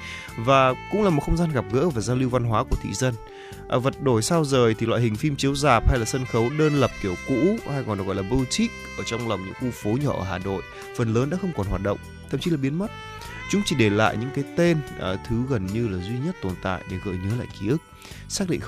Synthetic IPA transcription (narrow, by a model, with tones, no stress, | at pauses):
vaː˨˩kʊ̰˧˥ŋ͡mlaː˨˩mo˨˩t̚xə˧wŋ͡mzaː˧nɣa˨˩p̚ɣə̰ː˧˥vaː˨˩zaː˧wli˧wva˧nɦwaː˨˦ku˧˩ət̪ʰḭ˧˨zə˧n | ʔvə˨˩t̚ɗo˧˩jsa˧wzəː˨˩jt̪ʰi˨˩lwa̰ː˧˨hï˨˩ŋ̟fi˧mt͡ɕi˨˦əwzaː˨˩p̚ha˧jlaː˨˩sə˧nxə˨˦wɗəː˧nlə˨˩p̚t̪i˧˩əwkṵ˧˥ha˧jɣɔ˨˩n˨˩kɣɔ˧˨lːɓu˧t͡ɕï˦˥k̚ʔəː˧˩t͡ɕɔ˧wŋ͡mla˨˩wŋ͡mɲɨ̰˧˥ŋxu˧fo˨˦ɲɔː˧˩ʔəː˧˩ɦaː˨˩no̰˧˨j | fə˨˩nləː˨˦nɗa̰˧˥xə˧wŋ͡mkɔ˨˩nɦwaː˨˩t̚ɗə̰˧˨wŋ͡mt̪ʰə̰˧˨mt͡ɕi˨˦laː˨˩ɓi˨˦ənmə˦˥t̚ | t͡ɕʊ˨˦ŋ͡mt͡ɕi˧˩ɗe˧˩la̰ː˧˨jɲɨ̰˧˥ŋkaː˨˦jt̪e˧nʔt̪ʰɨ˨˦ɣə˨˩nɲɨ˧laː˨˩zwi˧ɲə˦˥t̚t̪o˨˩nt̪a̰ː˧˨jɗe˧˩ɣə̰ː˧˨jɲə˨˦la̰ː˧˨jki˨˧˦ʔɨ˦˥k̚ | saː˦˥k̚ɗḭ˧ŋ